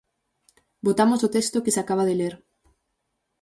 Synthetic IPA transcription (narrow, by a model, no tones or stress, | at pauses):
bot̪amosot̪est̪okesakaβaðeleɾ